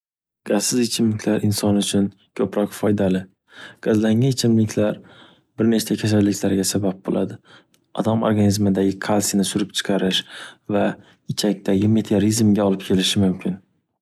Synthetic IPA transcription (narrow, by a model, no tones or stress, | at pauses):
ɡ̥azsɪzɪt͡ʃʰɪmlɪkʲlaɾɪnsɒnʊt͡ʃʰʊn | kʲʰɵpɾɒqfɒjd̪alɪ | ɡ̥azlaŋanɪt͡ʃʰɪmlɪkʲʰlaɾ | bɪɾne̞t͡ʃt͡ʃakʲʰas̬alːɪkʲlaɾɡʲasabap̚bo̰lˠʔad̪ɪ | ɒd̪amo̰ɾɡanizmɪd̪aɡʲɪkʰalˠsinɪsʊɾɪp̚t͡ʃʰɨ̥qʰɑɾɪʃva | ɪt͡ʃʰak̚ʲt̪ʰaɡʲɪme̞t̪ʰeoɾizmɡʲaɒlˠɪp̚kʲʰe̞lɪʃɪmʊmkʲʰɪn